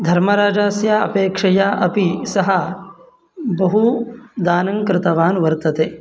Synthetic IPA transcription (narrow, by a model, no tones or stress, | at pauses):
d̪ʱɐɾmɐɾaːd͡ʒaːsjaɐ̰peːkʂɐjaʔɐpisɐɦɐ | bɐɦud̪aːnɐŋkɾɪt̪ɐʋaːnʋɐɾt̪ɐt̪eː